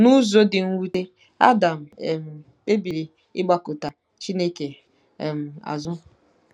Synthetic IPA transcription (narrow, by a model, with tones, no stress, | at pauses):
nu˦zo˦dɪ˨ŋ̩˦wu˦te˦ | a̰˦da˨m̩˨e˨m̩˨ | be˦bi˨ɾi˨ | ɪ˦ɡ͡ba˦kʊ˨ta˨ | t͡ʃi˦ne˦ke˨ | m̩˨a̰˨zʊ˦